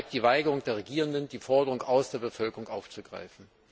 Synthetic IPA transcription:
k̚d̥iːvaɪɡəʁʊŋd̥eːɐʁeɡiːʁ̞əndəndiːfɔɐdəʁʊŋʔaʊsd̥eːɐbəfœlkəʁʊŋkʔaʊft͡suɡ̥ʁa̰ɪfn̩

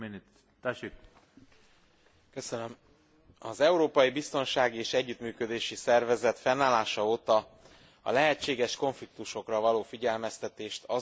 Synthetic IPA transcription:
ini | t̪ɛʃik̚ | kø̞sønøm | ɒzɛuɾoːpɒjibist̪o̞nʃaːɡieːʃɛɟːyt̪myːkø̞d̪eːʃisɛrvɛzɛt̪fɛnːaːlːaːʃɒoːt̪ɒ | ɒ̰lɛɦɛt͡ʃːeːɡɛʃko̞ɱflik̚t̪uʃo̞krɒvɒloːfiɟɛlmɛst̪ɛt̪eːʃt̪ɒ

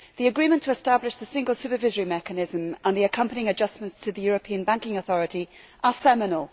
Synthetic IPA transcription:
ðiəɡɹĩmə̃ntʰəɛstablɪʃðəsɪ̃ŋɡəlˠsʉˑpəvɪzəɹimɛkənɪzə̃mə̃nðiəkʰʌ̃mpənɪ̃ŋəd͡ʒʌsmə̃ntstʰəðəjɔːɹəpʰĩə̃nbãŋkɪ̃ŋəθɒɹəti | ʔəsɛmɪnəlˠ

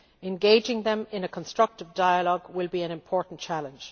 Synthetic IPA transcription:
ɛ̃nɡeɪd͡ʒɪ̃ŋðə̃mɪ̃nəkʰə̃nstɹ̥ʌk̚tɪvdaɪəlɔɡwɪlˠbiə̃nɪ̃mpʰɔːɹʔn̩t͡ʃʰalə̃nd͡ʒ̥

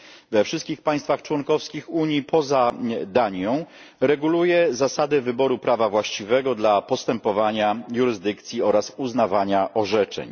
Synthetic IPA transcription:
vɛfʂɘst̪̚kʲixpaj̃st̪faxt͡ʂwɔnkɔfskʲixuɲjipʰɔzad̪aɲɔ̃w̃ | ɾɛɡulujɛzasad̪ɛvɘbɔɾupɾavavwaɕt͡ɕivɛɡɔd̪lapɔst̪ɛmpɔvaɲajuɾɘzd̪ɘkt̪sʲjiɔɾasuznavaɲaʔɔʐɛt͡ʂɛ̰ɲ

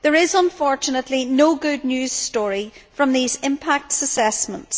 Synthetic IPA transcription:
ðə˞ɪzə̃ɱfɔɹt͡ʃɨnəʔˡlinoːɡʊdⁿnjʉːz̥stɔɹifɹʌ̃mðizɪ̃mpʰak̚tsəsɛsmə̰̃nts

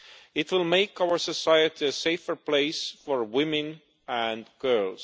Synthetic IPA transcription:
ɪtwɪlˠmeɪkawə˞səsajɨtiɨseɪfə˞pʰl̥eɪsfəɹwɪ̃mɨ̃n | æ̃nɡ̥ɜ˞lˠz̥

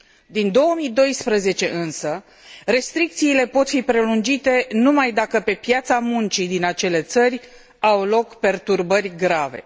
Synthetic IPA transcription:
d̪ind̪o̞wəmid̪o̞jspɾəze̞t͡ʃe̞ʔɨnsə | re̞st̪ɾik̚t̪siːle̞po̞t̪fipɾe̞lund͡ʒit̪e̞numajd̪akəpe̞pjat̪samunt͡ʃid̪inat͡ʃe̞le̞t̪sərʲ | awlo̞kpe̞rt̪urbərʲɡɾave̞̰

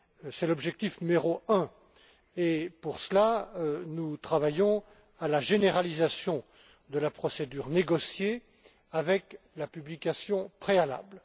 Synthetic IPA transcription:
sɛlɔbʒɛk̚t̪ifnymeʁoɛ̃ | epuʁslanut̪χavajɔ̃ | alaʒeneʁalizasjɔ̃ | d̪əlapχɔsed̪yʁneɡɔsje | avɛk | lapyblikʲasjɔ̃pχeala̰bl

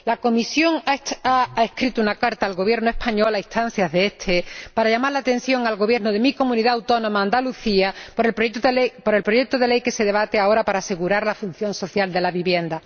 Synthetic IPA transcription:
lako̞misjo̞ŋaehkɾit̪uunakaɾt̪aːlɣo̞βje̞ɾnoe̞hpaɲo̞lait̪an̟θjaɦðeet̪ʰepaɾaʝamaɾlat̪e̞n̟θjo̞ŋalɣo̞βje̞ɾnoðe̞miko̞mũniðaːwt̪o̞nõ̞maːnd̪aluθiap | poɾe̞lpɾo̞ʝe̞k̚t̪oðe̞le̞jke̞se̞ð̞e̞βat̪e̞ao̞ɾapaɾaːse̞ɣuɾaɾlafun̟θjo̞nso̞θjald̪e̞laβiβje̞nd̪a

